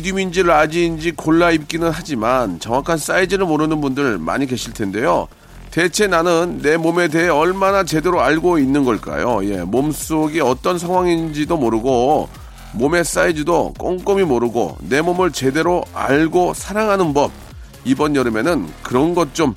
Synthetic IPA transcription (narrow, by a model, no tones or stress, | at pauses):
idumind͡ʑiɾɯɾad͡ʑiːnd͡ʑikoɭːaip̚k͈inɯnɦad͡ʑimant͡ɕʌŋwakʰans͈ajid͡ʑiɾɯɭmoɾɯnɯnbundɯɭma̰ɲike̞ɕʰiɭtʰe̞nde̞jo | te̞t͡ɕʰe̞nanɯnːe̞mome̞de̞ɦe̞ʌɭmanat͡ɕe̞de̞ɾoaɭɡoinːɯnɡʌɭk͈a̰jo̰je̞̰moms͈oɡiʌt͈ʌnsʰaŋɦwaŋind͡ʑidomoɾɯɡo | mome̞s͈aid͡ʑidok͈ʌ̰ŋk͈ʌmimoɾɯɡo̰ne̞momɯɭt͡ɕe̞de̞ɾoa̰ɭɡosʰaɾaŋɦanɯnbʌb̚ | ibʌnjʌɾɯme̞nɯnkɯɾʌnɡʌt̚t͡ɕ͈om